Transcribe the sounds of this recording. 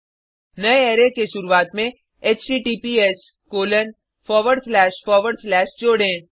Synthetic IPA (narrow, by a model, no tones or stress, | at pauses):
nɐeeːɾekeʃʊɾuaːt̪mẽ | eːt͡ʃʈiːʈiːpies | koːlən | fʰɔːɾʋəɖslɛːʃfɔːɾʋəɖslɛːʃd͡ʒoːɽẽː